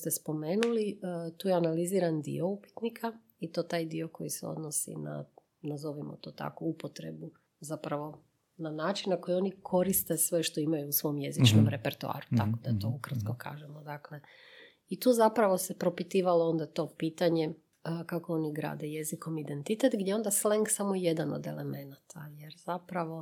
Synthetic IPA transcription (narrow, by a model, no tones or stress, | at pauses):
st̪e̞spo̞me̞ːnulit̪uːjeanaliziːɾand̪ḭo̞upi̥t̪nikʰa | it̪o̞ːt̪aːjd̪io̞ko̞̰jiseo̰d̪nosḭna̰ | nazo̞ʋimo̰t̪o̞ːt̪a̰koupot̪ɾḛbu | zapɾaʋo̞ | nanaːt͡ʃinnako̞jio̞nikʰo̞ɾist̪e̞sʋe̞ʃt̪o̞imajuːsʋo̞jmje̞zit͡ʃnomɾepeɾt̪ua̰ːɾut̪akod̪at̪o̞ukr̩t̪kokʰa̰ːʒemod̪akle̞ | it̪uːzapɾaʋo̞se̞pɾo̞pit̪iːʋaloo̞nd̪at̪o̞piːt̪aɲe̞ | kakoo̞niɡɾa̰ːd̪e̞je̞ziko̞mid̪e̞nt̪it̪et̪ɡd̪ʲje̞o̞nd̪asleŋɡsamoje̞d̪ano̰d̪e̞̰leme̞nat̪ʰaje̞ɾz̥apɾaʋo̞